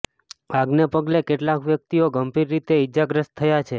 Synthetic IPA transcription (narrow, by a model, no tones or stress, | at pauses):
aɡnepəɡlekeʈlakʋjək̚t̪ioɡəmbiɾːit̪eɪd͡ʒaɡɾəst̪ʰːəjat͡ʃʰe